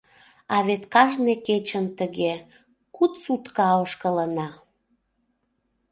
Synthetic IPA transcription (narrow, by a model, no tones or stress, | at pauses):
ɑβet̪kɑʒneket͡ɕənt̪əɣe | kut̪sut̪kɑoʃkələnɑ